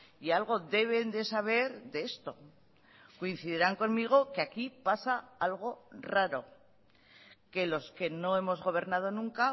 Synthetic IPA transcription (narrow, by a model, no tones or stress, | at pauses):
ialɣ̞o̞ðe̞β̞e̞nd̪e̞saβ̞e̞ɾðeest̪o̞ | ko̞in̟θiðeɾaŋko̞nmiɣ̞o̞keakipasaalɣo̞raɾo̞ | ke̞lo̞ske̞no̞e̞mo̞zɣo̞β̞e̞ɾnað̞o̞nũŋka